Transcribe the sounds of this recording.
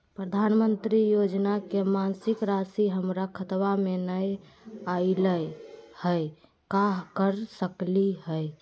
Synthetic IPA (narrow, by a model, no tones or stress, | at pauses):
pɾəd̪ʱanmənt̪ɾijod͡ʒnakemansikɾasiɦəmɾakʰət̪wamenəj | ailəjhəj | kaɦkəɾsəkliɦəj